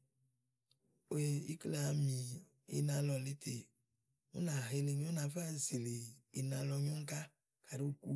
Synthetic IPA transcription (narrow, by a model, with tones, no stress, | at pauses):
e˦˨i˦kle˦a˨mi˨ | ḛ˦nã˧lɔ˨le˦t̪ʰe˨ | wo̰˦nã˨ɦe˨le˨ne˨˦wo˦nã˨fa˦˨zi˨leː˨nã˨lɔ˧ɲõ˦ŋ̩˦ka˦ | ka˨ɾe˦o˦ku˦